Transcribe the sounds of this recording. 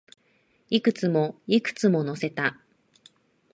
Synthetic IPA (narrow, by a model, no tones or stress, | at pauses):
ikɯ̟t͡sɨmo̞ikɯ̥t͡sɨmo̞no̞se̞t̪a